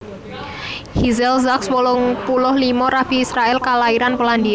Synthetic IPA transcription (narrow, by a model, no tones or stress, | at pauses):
hizɛlzakswɔlɔŋpulʊhlimɔɾab̥i̤ːsɾaɛlkalaiɾanpɔlandia